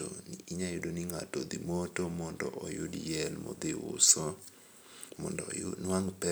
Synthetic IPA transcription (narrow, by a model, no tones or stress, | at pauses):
o̰niiɲajʊdoniŋatɔd̪imotomɔndɔ̰ʔɔjʊdjɛlmɔ̰d̪ɪʊ̰sɔ | mɔndɔʊnwaŋpɛ